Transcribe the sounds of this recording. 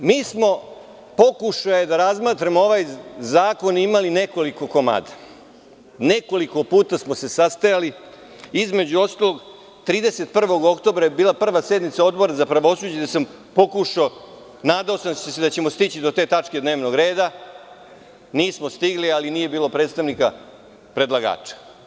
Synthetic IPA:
miːsmo̞ | po̞kuʃajed̪aɾazmaːt̪ɾemoo̞ʋajzaːko̞nimaline̞ko̞liko̞koma̰ːd̪a | ne̞ko̞liko̞puːt̪asmo̞se̞sast̪ajali | izme̞d͡ʑuo̞st̪alˠo̞ɡ | t̪ɾiːd̪ese̞t̪pr̩ʋo̞ɡo̞kt̪o̞bɾajebiːlˠapr̩ʋase̞d̪nit̪sao̞d̪bo̞ɾazapɾaʋo̞suːd͡ʑad̪asam | po̞kuʃao | naːd̪aosamsesed̪at͡ɕe̞mo̞st̪it͡ɕid̪o̞t̪e̞ːt̪at͡ʂke̞d̪ne̞ːʋnoɡɾe̞ːd̪a | niːsmost̪iɡlialinije̞biːlˠo̞pɾet̪st̪aʋnika | pɾe̞d̪lˠaɡa̰ːt͡ʂḁ

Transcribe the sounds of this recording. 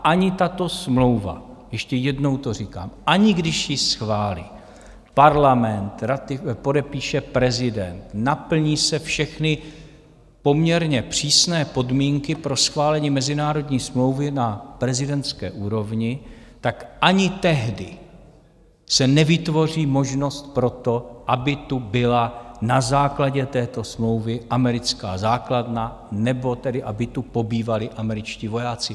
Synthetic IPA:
aʔaɲɪt̪at̪o̞smlo̞wva̰ | jɛʃcɛjɛdno̞wt̪o̞r̝ika̰ːmʔaɲɪɡdɪʃjɪsxvaːlḭː | paɾlamɛnt̪ɾat̪ɪpo̞dɛpiːʃɛpɾɛzɪdɛ̰nt̪napl̩ɲiːsɛfʃɛxnɪ | po̞mɲɛɾɲɛpr̝̥iːsnɛːpo̞dmiːŋkɪpɾo̞sxvaːlɛɲiːmɛzɪnaːɾo̞dɲiːsmlo̞wvɪnapɾɛzɪdɛnt̪t͡skɛ̰ːʔuːɾo̞vɲɪt̪akʔaɲɪt̪ɛɦdɪ | sɛnɛvɪt̪vo̞r̝iːmo̞ʒno̞st̪̚pɾo̞t̪o̞ʔabɪt̪ubɪlanazaːklaɟɛt̪ɛːt̪o̞smlo̞wvɪʔamɛɾɪt͡ska̰ːzaːkladna | nɛbo̞t̪ɛdɪʔabɪt̪upo̞biːvalɪʔamɛɾɪt͡ʃciːvo̞jaːt͡sɪ

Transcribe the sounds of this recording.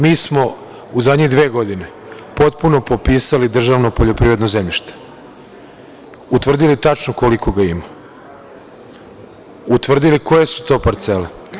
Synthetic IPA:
miːsmo̞ | uzad̪ɲid̪ʋeːɡo̞d̪ine | po̞t̪puno̞po̞piːsalid̪r̩ʒaːʋnopoʎo̞pɾiʋɾe̞d̪nozemʎiʃt̪e̥ | ut̪ʋr̩d̪ilit̪at͡ʃnoko̞liko̞ɡaima | ut̪ʋr̩d̪iliko̞jesu̥t̪o̞ːpaɾt̪se̞le

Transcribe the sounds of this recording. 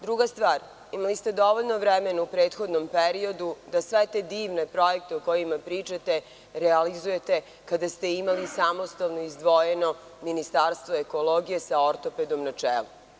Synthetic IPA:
d̪ɾuɡast̪ʋaːɾ | imalist̪e̞d̪o̞ʋoʎno̞ʋɾɛmenaupɾeːt̪xo̞d̪no̞mpeɾio̞d̪ud̪asʋet̪ed̪iːʋne̞pɾo̞jek̚t̪eoko̞jimapɾiːt͡ʃat̪e̞ | ɾɛalizuje̞t̪e̞ | kad̪ast̪e̞imalisamo̞st̪alnoizd̪ʋo̞jeno̞ | minist̪aɾst̪ʋoeko̞lo̞ːɡijesaoɾt̪o̞ped̪o̞mnat͡ʂḛːlu

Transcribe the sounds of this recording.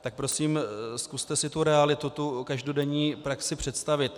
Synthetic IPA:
t̪ak̚pɾo̞siːmskust̪ɛsɪt̪uɾɛalɪt̪ut̪ukaʒdodɛɲiːpɾaksɪpr̝̥ɛt̪st̪avɪt̪

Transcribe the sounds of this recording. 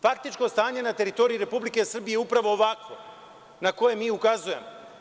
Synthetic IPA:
fakt̪it͡ʃko̞st̪aːɲe̞nat̪e̞ɾit̪o̞ɾijuɾe̞publike̞sr̩bijeupɾaʋo̞ːʋakʋo̞ | nako̞je̞miːukazuje̞mo

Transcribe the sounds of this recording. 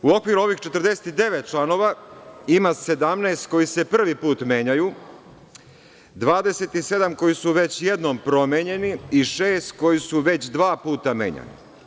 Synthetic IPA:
uo̞kʋiɾuo̞ʋixt͡ʃe̞t̪rd̪e̞se̥t̪id̪e̞ʋet̪̚t͡ʃlˠano̞ʋaimase̞d̪amneːst̪̚ko̞jise̞pr̩ʋipuːt̪mjeːɲaju | d̪ʋaːd̪e̞se̞t̪ise̞d̪amko̞jisuʋet͡ɕje̞d̪nompɾo̞meɲe̞niiʃeːst̪ko̞jisuʋe̞t͡ɕd̪ʋaːpuːt̪amḛːɲa̰nḭ

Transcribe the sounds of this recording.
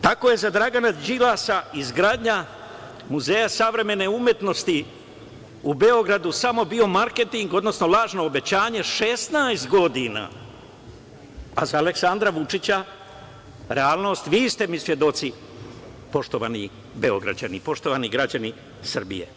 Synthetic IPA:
t̪ako̞je̞zad̪ɾaɡanad͡ʒilasaizɡɾaːd̪ɲa | muzejasaʋɾe̞me̞ne̞umje̞t̪no̞st̪i | ube̞o̞ɡɾad̪usamo̞bio̞maɾke̞t̪iŋɡo̞d̪no̞sno̞lˠaːʒno̞ːbe̞t͡ɕaːɲe̞ʃest̪najst̪ɡo̞d̪ina̰ | azaːle̞ksand̪ɾaʋut͡ʃit͡ɕa | ɾe̞aːlˠno̞ːst̪ʋiːst̪e̞misʋje̞d̪o̞t̪si | po̞ʃt̪o̞ʋa̰ːni | be̞o̞̰ɡɾa̰d͡ʑa̰nipo̞ʃt̪o̞ʋaniɡɾad͡ʑani | srbḭjḛ

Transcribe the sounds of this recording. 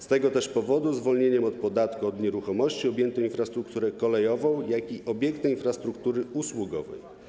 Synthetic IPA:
st̪ɛɡɔt̪ɛʂpɔvɔd̪uzvɔlɲeɲɛmɔt̪̚pɔd̪at̪kuɔd̪ɲɛɾuxɔmɔɕt͡ɕiɔbjɛnt̪ɔ̃w̃infɾast̪ɾukt̪uɾɛkɔlɛjɔvɔ̃w̃jakiʔɔbʲjɛŋk̚t̪ɛinfɾast̪ɾukt̪uɾɘuswuɡɔ̰vɛ̰j

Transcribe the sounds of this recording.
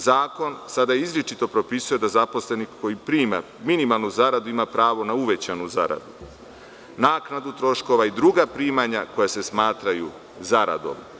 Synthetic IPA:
zaːko̞nsad̪ajeizlʲit͡ʃit̪o̞pɾo̞pisuje̞d̪azapo̞sle̞nikkːo̞jipɾiːma | minimalˠnuzaɾad̪uimapɾaːʋo̞nauʋe̞t͡ɕanuzaɾa̰d̪u | naːknad̪ut̪ɾo̞ʃko̞ʋaid̪ɾuɡapɾiːmaɲako̞jase̞smaːt̪ɾaju | zaɾa̰d̪o̞̰m

